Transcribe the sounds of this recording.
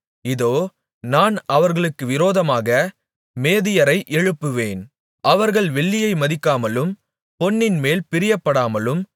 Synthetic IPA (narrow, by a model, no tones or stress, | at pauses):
ɪðoː | naːnɐʋɐɾɣɐɭɯkːɯʋɪɾoːðɐmaːɣɐ | meːðɪjɐɾɐɪʔɛɻɯpːɯʋeːn | ʔɐʋɐɾɣɐɭʋɛɭːɪjɐɪmɐðɪkːaːmɐlɯm | pɔnːɪnmeːlpɪɾɪjɐpːɐɽaːmɐlɯm